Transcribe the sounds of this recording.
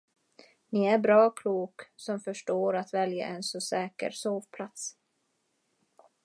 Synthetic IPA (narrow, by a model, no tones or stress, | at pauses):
nɪæɾbɾɑːkʰluːksɔmfœʂʈoːɾat̪vɛlja̰ʔɛnsɔsɛːkə̰ɾsoːvpʰlat̪s